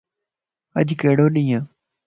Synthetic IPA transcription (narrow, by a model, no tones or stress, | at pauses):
ə̰d͡ʒkeːɽoːɗĩːjãː